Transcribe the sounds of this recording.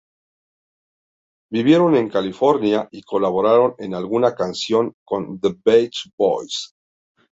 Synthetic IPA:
biβjeɾo̞ne̞ŋkalifo̞ɾnjaiko̞laβoɾaɾo̞nenalɣunakansjo̞ŋko̞nðəbejt͡ʃbo̰js

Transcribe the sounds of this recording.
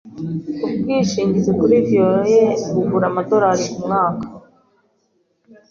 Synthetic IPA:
ub̚ɡiːʃiːɲɟizekuɾivjojeɡuɡuɾamado̞ɾaɾiumŋaːkḁ

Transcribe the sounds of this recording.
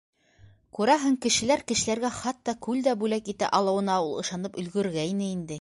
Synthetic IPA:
kʉɾɑɦɤɴkɘ̆ʃɘ̆læɾkɘ̆ʃɘ̆læɾɡæχɑt̪ːɑkʉld̪æbʉlækit̪æ̰ʔɑlˠɤ̆wɤ̆nɑulˠɤ̆ʃɑnɤpɵ̆lɡɵ̆ɾɡæinɘind̪ɘ

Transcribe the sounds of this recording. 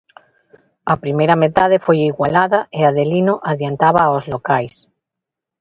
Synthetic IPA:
ɐpɾimejɾamet̪að̞efojiɣwalaðaeaðelinoʔaðjant̪aβaozlokajs

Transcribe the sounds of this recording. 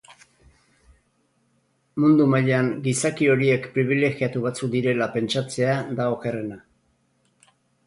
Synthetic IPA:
mund̪umaʎaŋɡisakio̞ɾie̞kpɾiβ̞ile̞ɣiat̪uβ̞at͡sukd̪iɾe̞lape̞nt͡ʃat͡se̞ad̪aoke̞re̞na

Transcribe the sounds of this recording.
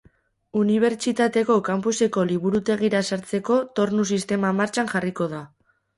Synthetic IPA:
uniβ̞e̞ɾt͡ʃit̪at̪e̞ko̞kampuse̞ko̞liβ̞uɾut̪e̞ɣiɾasaɾt͡se̞ko̞t̪o̞ɾnus̬ist̪e̞mamaɾt͡ʃanʝariko̞ða

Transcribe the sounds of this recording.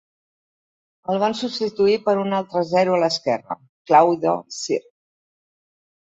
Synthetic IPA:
əlˠβ̞ansupst̪it̪uipəɾunalˠt̪ɾəzɛɾuələskɛrə̰ | klawðo̰sir

